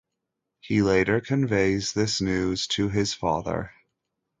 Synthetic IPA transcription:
hileɪɾə˞kʰɨ̃ɱveɪzðɪsnʉz̥tʰɨɪz̥fɑ̰ðə̰˞

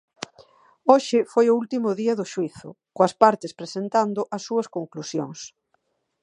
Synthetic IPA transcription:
oʃɪfojʊult̪imʊðiɐðʊʃwiθʊ̰ | koɐspaɾt̪ɪspɾesent̪and̪ʊʔɐsːuɐskoŋklusjo̰ŋs

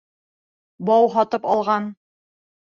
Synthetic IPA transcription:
bɑwɦɒt̪ɤpɑlˠʁɑn

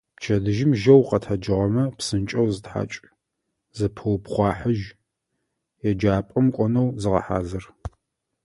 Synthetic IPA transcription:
pt͡ʃʰɐdɨʒɪmʒɐwqɐtʰɐd͡ʒɨʁɐmɐpsɨnt͡ʃʼɐwzɨtħa̰ːt͡ʃʼ | zɨpʰɨwpχʷɑːħəʒ | jɛd͡ʒaːpʼɐmkʷʼɔnɐwzɨʁɐ̰ħa̰ːzɨr

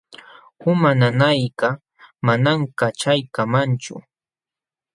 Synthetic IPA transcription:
ʊmananajka | manamkat͡ʃajkamant͡ʃʊ̰

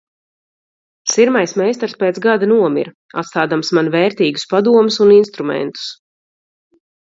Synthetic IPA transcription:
siɾmajsmɛjst̪aɾspeːt̪zɡad̪anuɔmḭɾ | a̰t̪st̪aːd̪amsmanvɛːɾt̪iːɡuspad̪uɔmusuninst̪ɾumɛ̰nt̪u̥s

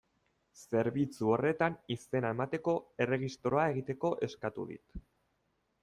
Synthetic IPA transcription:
se̞ɾβit͡suo̞re̞t̪anise̞nae̞mat̪e̞ko̞e̞re̞ɣist̪ɾo̞ae̞ɣit̪e̞ko̞ʔe̞skat̪ṵðḭt̪

